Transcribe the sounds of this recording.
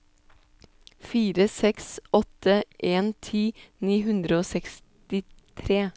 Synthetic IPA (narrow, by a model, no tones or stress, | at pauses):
fiːɾəsɛksɔt̪əʔeːnt̪ʰiːniːhʉnd̪ɾəoːsɛks | t̪ɪt̪ʰɾeː